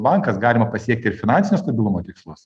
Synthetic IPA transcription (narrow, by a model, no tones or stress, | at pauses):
bɑŋkɐsɡɑːlʲɪmɐpɐsʲiɛk̚t̪ʲɪɾfʲɪnɑnʲsʲɪnʲːst̪ɐbʲɪlˠʊmoːt̪ʲɪkslˠʊs